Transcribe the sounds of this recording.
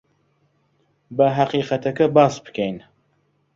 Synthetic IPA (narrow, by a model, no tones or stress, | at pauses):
bɐɦaqiːqɐt̪ɐkɐbaːsbɨ̥kʰɛjn